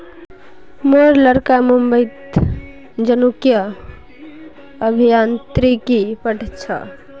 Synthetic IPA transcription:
meɾləɾkamumbəɪt̪ | d͡ʒənukijə | bʱijant̪ɾikipəʈʰt͡ʃʰə̰

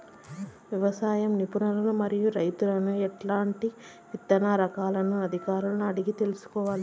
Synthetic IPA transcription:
ʋiʋɐsaːjɐmnipunɐlɐnumɐɾijuɾɐjt̪ulɐnuɛʈlaːɳʈi | it̪ːɐnaːɾɐkaːlɐnuɐd̪ʱikaːɾuluɐɽiɡit̪e̞lusu̥kɔːʋaːli

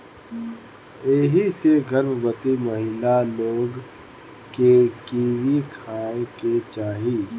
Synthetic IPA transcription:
eɦiseɡʱəɾmbət̪imɐɦɪlaloːɡ | kekiːʋikʰaːeket͡ʃaːɦi

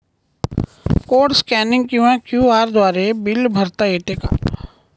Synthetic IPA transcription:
koːɖskɛːnɪ̃ŋɡ̚kjuɛ̃kjuːaːɾd̪waːɾebɪlbʱəɾt̪aeːʈ̪eːka̰ː

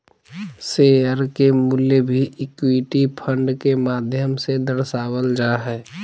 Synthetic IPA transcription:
seəɾkemuljebʱiʔɪkwiʈipʰə̃ɳɖkemaːd̪ʱjəmsed̪əɾsaːwəld͡ʒaɦɛː

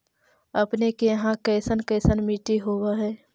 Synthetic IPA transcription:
əpnekejɦãkɛːsənkɛːsənmiːʈiɦoːwaɦɛː

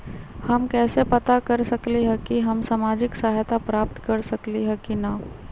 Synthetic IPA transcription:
hɐmkɛːsepɐt̪akɐɾsɐkliɦɛ̃kiɦɐmsaːmaːd͡ʒɪksaːɦjt̪apɾaːp̚t̪kɐɾsɐkliɦɛ̃kina

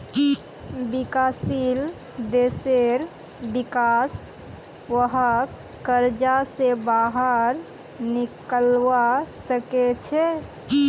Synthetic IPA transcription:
bikasil | d̪eseɾ | bikas | ʋəɦə | kːəɾd͡ʒasebaɦəɾ | nikəlʋasəket͡ʃʰɛ

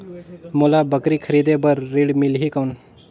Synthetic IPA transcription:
molabəkɾikʰəɾiːd̪ebəɾːiɽmilɦikəwn

